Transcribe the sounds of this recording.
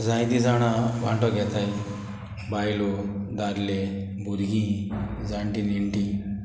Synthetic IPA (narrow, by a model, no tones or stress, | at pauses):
d͡zãjt̪id͡zaɽ̃aʋa̰ɳʈɔɡʱɛt̪aj | bajlɔd̪aɾle | bʱuɾɡĩd͡zaɳʈiniɳʈi